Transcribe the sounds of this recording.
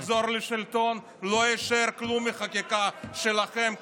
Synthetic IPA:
zoɾleʃɪlt̪on | loeʃaeɾklumːiχakikaʃelaχem

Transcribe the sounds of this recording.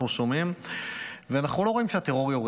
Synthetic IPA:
nusomim | veanaχnulo̞ʁo̞imʃeat̪eʁo̞ʁjoʁ

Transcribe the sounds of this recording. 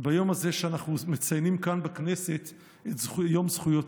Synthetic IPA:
bajo̞mazeʃeanaχnumet͡sajnimkanbekne̞se̞t̪ | etzχjo̞mzχujo̞t

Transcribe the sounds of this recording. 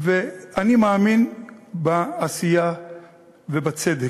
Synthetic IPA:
veanimaːminbaːsija | vebat͡sed̪e

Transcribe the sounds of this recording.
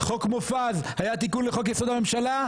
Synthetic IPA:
χo̞kmofazhajat̪ikunleχo̞kjeso̞d̪ame̞mʃala

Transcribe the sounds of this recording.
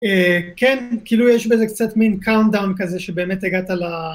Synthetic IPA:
ekenkiːlujɛʃbeze̞kt͡satminkawndawnkazeʃebe̞ːmetaɡatala

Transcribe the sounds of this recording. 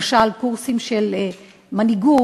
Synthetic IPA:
ʃalkuʁsimʃel | maniɡu

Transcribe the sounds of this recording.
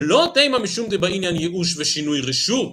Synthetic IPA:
lot̪ejmamiʃumd̪ebainjanjeʔuʃveʃinujʁeʃu

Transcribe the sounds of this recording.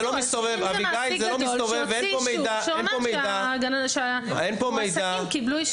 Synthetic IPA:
lomist̪ovevabiɡajzelomist̪ovevepomej̪aʃenpomejdaaɡanaʃa | enpomejd̪aimkibluiʃ

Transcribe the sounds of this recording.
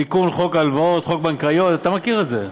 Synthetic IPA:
ikunχo̞kalvaot̪χo̞k̚bankajo̞t̪at̪amakiʁetze

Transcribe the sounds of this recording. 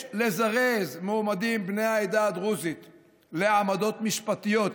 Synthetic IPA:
le̞zaʁezmeːmad̪imbnejaed̪ad̪ʁuzit̪ | leʕamad̪o̞t̪miʃpat̪ijo̞t̪

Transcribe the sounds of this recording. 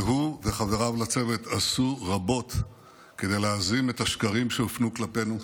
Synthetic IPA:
ɦuveχave̞ʁavlat͡se̞ve̞t̪asuʁabo̞t | ke̞d̪e̞jleazime̞thaʃkaʁimʃeofnuklape̞nu

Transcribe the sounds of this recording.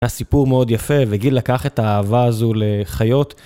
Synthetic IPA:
asipuʁmeo̞d̪jafe̞veɡilakaχe̞t̪aːvaːzuleχajo̞t̪

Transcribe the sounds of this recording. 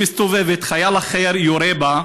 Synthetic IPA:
ist̪ovɛvet̪χajalaχeɾjoɾɛba

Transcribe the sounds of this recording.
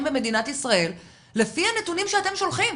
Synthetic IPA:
mbeme̞d̪inat̪isʁae̞l | le̞fianetunimʃeat̪e̞mʃo̞lχim

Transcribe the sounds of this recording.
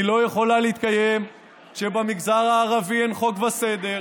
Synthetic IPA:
ilo̞jeχo̞laleit̪̚kajem | ʃebamiɡzaʁaːʁavienχo̞kvase̞d̪e̞ʁ

